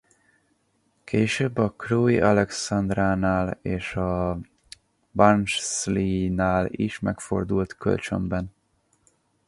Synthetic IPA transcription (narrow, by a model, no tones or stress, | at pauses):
kʰeːʃøːbːɒkroːjiʔɒlɛksɒnd̪raːnaːleːʃɒ | bɒnt͡ʃslinaːliʃmɛ̰kfo̞̰rd̪ult̪kø̰lt͡ʃø̰mbɛn